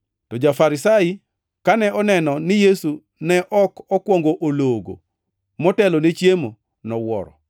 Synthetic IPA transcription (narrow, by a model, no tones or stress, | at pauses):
tɔd͡ʒafaɾɪsai | kanɛʔɔnɛnɔnɪjesu | nɛʔɔkɔkwɔŋɡoʔoloɡo̰ | mɔtɛlonet͡ʃjemo | nɔwɔ̰ɾɔ̰